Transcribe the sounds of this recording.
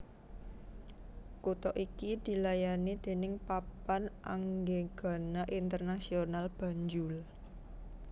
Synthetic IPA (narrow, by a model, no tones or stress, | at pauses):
kut̪ɔʔikid̪̥i̤lajanid̪̥e̤nɪŋpapanʔa̰ŋɡeɡ̥a̤naʔint̪ərnasionalb̥ä̤ɲd͡ʒʊl